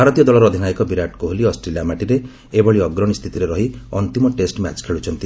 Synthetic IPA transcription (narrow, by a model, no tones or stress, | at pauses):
bʱaɾɔt̪ijɔd̪ɔlɔɾɔːd̪ʱinajkɔbiɾaʈkoɦoliɔsʈɾelijamaʈiɾe | ebɔɭiɔɡɾɔnist̪ʰit̪iɾeɾɔɦiɔnt̪imɔʈesʈma̰t͡ʃkʰeɭut͡ʃʰɔnt̪i